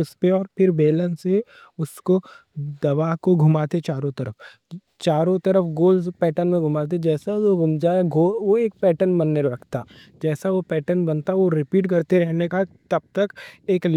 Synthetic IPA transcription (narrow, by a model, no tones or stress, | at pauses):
ʊspeɔːɾpʰɪɾbeːlənse | ʊskod̪ɐʋaːkoɡʱʊmaːt̪et͡ʃaːɾõt̪ɐɾəf | t͡ʃaːɾõt̪ɐɾəfʰɡoːlspɛːʈənmẽɡʱʊmaːt̪̬ed͡ʒɛːsaoɡʱʊmd͡ʒaɡʱoːʋoeːk̚pɛːʈənbɐnːeɾɐkʰt̪aː | d͡ʒɛːsaʋopɛːʈənbɐnt̪aʋoɾɪpiːʈkɐɾt̪eɾɛɦnekat̪ɐb̚t̪ɐkeːkl